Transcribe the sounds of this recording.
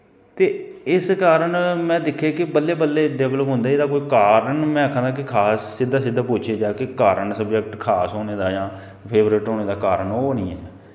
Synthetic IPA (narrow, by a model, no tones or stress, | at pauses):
t̪eːɪskaːɾəɳmɛ̃ːd̪ɪkʰːeːkɪbəlːeːbəlːeːɖɛːʋləpɦʊnd̪aːid̪aːkoːiːkaːɾəɳmɛ̃ːakʰːãːnd̪aːkɪkʰaːsːɪd̪aːsɪd̪aːpʊːt͡ʃʰeːd͡ʒaːkɪkaːɾənsəbd͡ʒəkʈkʰaːsɦoːneːd̪aːd͡ʒãː | pʰeːbɾɪʈɦoːneːd̪aːkaːɾənoːnĩːɛ̰ː